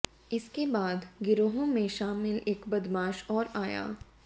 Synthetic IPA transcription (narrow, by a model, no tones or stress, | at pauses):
ɪskebaːd̪ɡɪɾoːɦõmẽʃaːmɪleːkbɐd̪maːʃɔːɾaːja̰ː